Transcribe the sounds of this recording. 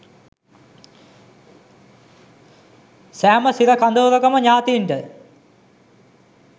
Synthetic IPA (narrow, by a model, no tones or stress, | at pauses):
sæːməsiɾɐkand̪oːɾɐkɐməɲaːt̪iːɳɖə